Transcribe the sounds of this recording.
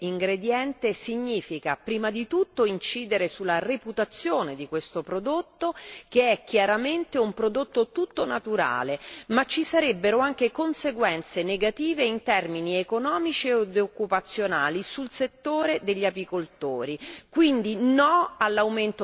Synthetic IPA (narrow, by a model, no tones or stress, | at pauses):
iŋɡɾed̪jɛnt̪esiɲːiːfikapɾiːmad̪it̪ut̪ːoint͡ʃiːd̪eɾesulːareput̪at̪sːjoːned̪ikwest̪opɾod̪ot̪ːok̟eɛk̟ːjaɾament̪eumpɾod̪ot̪ːot̪ut̪ːonat̪uɾa̰ːlemat͡ʃːisaɾebːeɾoaŋk̟ekonseɡwɛnt̪seneɡat̪iːveint̪ɛrminiekonɔːmit͡ʃieod̪okːupat̪sːjonaːlisulset̪ːoːɾed̪eʎːapikolt̪oːɾikwind̪inɔalːawment̪o